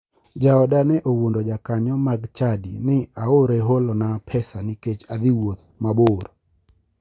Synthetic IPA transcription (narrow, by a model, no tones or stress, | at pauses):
d͡ʒaɔdanɛʔowundɔd͡ʒakaɲɔmaɡt͡ʃadḭnɪaoɾeɦolɔnapʰɛsaniket͡ʃad̪iwot̪̚maboɾ